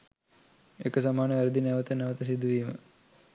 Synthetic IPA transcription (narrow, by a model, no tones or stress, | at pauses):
ekəs̬amaːnəʋæɾəd̪ineʋət̪əneʋət̪əs̬id̪uʋiːmə